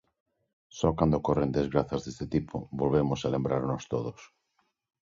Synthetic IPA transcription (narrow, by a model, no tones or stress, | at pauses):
sɔkand̪okorend̪ezɣɾaθazðest̪et̪ipʰo̰bolβemosalẽmbɾaɾnost̪oðos